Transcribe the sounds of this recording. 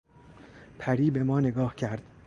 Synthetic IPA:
pʰæɾiːbe̞mɒːne̞ɡɒːhcʰæɾd̪̥

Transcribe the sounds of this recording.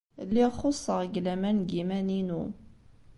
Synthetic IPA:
lːiʁχosˤːəʁɡlæmænɡimæninu

